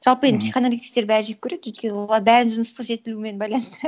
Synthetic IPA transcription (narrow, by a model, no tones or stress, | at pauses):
ʒ̥ɑlˠpəed̪ɪpsiχonolʲikt̪i̥kt̪eɾbæɾɪʒep̚kʲʰɵɾe̞d̪wɵt̪̚kʲe̞nɪwolˠɑɾbæɾɪnʒənəst̪əqʒe̞t̪ɪluɪme̞nbɑjlˠɑnəst̪əɾɑ